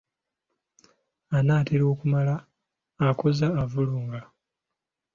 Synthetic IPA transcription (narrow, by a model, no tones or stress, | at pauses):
anaːtiɾo̞ːkumalaː | ko̞zaːvuluːŋɡa